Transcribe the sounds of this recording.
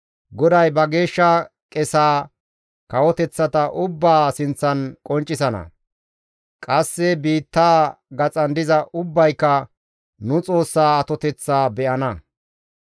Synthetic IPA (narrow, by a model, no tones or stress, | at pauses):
ɡɔd̪ɐjbɐɡe̞ːʃːɐ | kʼɛsaː | kɐwɔt̪ɛt͡sːɐt̪ɐʔʊbːaːsɪnt͡sːɐnkʼɔnt͡ʃʼːɪsɐnɐ̰ | kʼɐsːɛbiːt̪ːaːɡɐt͡sʼɐnd̪ɪzɐʔʊbːɐjkːɐ | nʊt͡sʼo̞ːsːaːɐt̪ɔt̪ɛt͡sːaːbɛʔɐnɐ